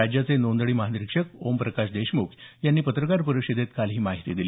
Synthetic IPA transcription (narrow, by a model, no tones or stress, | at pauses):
ad͡ʑjat͡senond̪ɭiːməɦad̪ɾikʂəkompɾəkaɕd̪eɕmukjanːiːpət̪ɾəkaɾpəɾuɕid̪et̪kalɦiːmaɦit̪iːd̪ili